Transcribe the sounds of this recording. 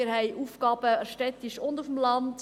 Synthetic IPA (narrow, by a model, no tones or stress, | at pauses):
əɾhɛɪʔuːfɡ̥ɑːb̥əɛʃtɛtiʃʊndufəmlɑnt